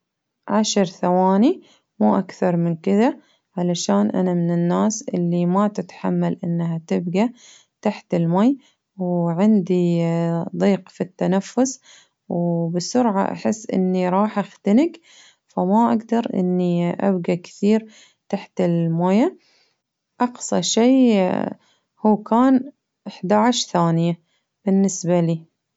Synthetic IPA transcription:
ʕaʃɾθawaːni | muːʔakθɑɾˤmɪnkɪða | ʕalaʃaːnʔa̰namɪnɪnːaːsʔɪ̰lːimat̪ɪt̪ħamːalʔɪnːɦat̪ɪbɡa | t̪aħt̪ɪlmaːj | wʕɪnd̪i | d̪ˤiːqfit̪ːanafːʊs | wbɪsʊɾʕa̰ʔa̰ħɪsːʔɪ̰nːiɾˤɑːħʔaxt̪anɪɡ | famaʔaɡd̪ɑɾˤʔɪ̰nːiʔa̰bɡakɪ̥θiːɾ | t̪aħt̪ɪlmaːja | ʔɑqsˤɑʃeː | huːkaːn | ʔɪħd̪aʕaʃθaːnɪja | b̥ɪnːɪsbaliː

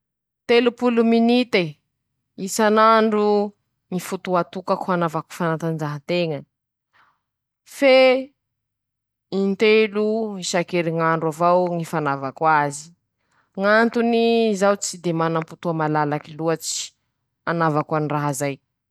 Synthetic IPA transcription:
t̪elupuluminit̪e | isanaɳɖ͡ʐu | ŋifut̪uat̪ukakuanavaku̥fanat̪and͡ʒaɦat̪eŋə | fe | int̪eluŋiʃakeɾiŋaɳɖ͡ʐuavawŋifanavakwazi̥ | ŋant̪unizawt͡sid̪emanamput̪uamalalakiluat͡si̥ | anavakwaniraɦazaj

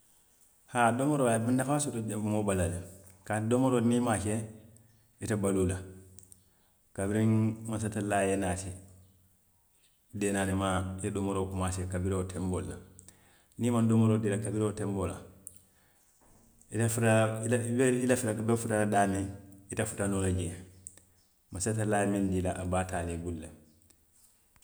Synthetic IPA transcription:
hadomoɾoabindakaasutodemobalale | katdomoɾoniːmaʃe | itabalula | kabiɾiŋmasatalaːjenati | deːnaːnimajedomoɾokumasekabiɾootembolːa̰ | nimandumoɾodilakabiɾotembola̰ | itafutaibilafitabefutadaːmiitafu̥tanulaɟe | masat̬alaːjemindilaʔabaːtaːlebulːe

